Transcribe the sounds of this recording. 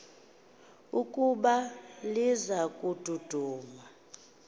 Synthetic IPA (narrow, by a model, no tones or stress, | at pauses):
ukʼuɓalizakʼud̥ʱud̥ʱuːma